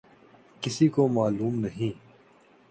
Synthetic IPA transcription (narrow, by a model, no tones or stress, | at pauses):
kɪsikomaːluːmnɐɦĩː